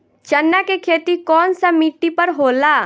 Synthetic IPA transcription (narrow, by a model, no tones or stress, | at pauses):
t͡ʃənːakekʰeːt̪ikɔːnsamiʈːipəɾɦoːlaː